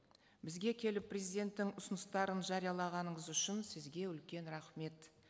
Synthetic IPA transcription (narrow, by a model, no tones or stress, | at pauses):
bɪzɡʲe̞kʲʰe̞lɪpʰːrʲe̞zijd̪ʲe̞nt̪ːɪŋʊsʊnəst̪ɑɾənʒɑɾijɑlˠɑʁɑnəɴəzʏʃɪnsɪzɡʲe̞ʏlkʲe̞nɾɑχme̞t̪